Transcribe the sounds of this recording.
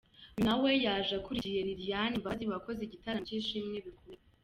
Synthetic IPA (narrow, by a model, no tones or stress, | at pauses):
nawe̞jaʒakuɾiijeɾiɾijaniɱvaziβako̞zeɟitaɾaɟiːʃimŋeβikome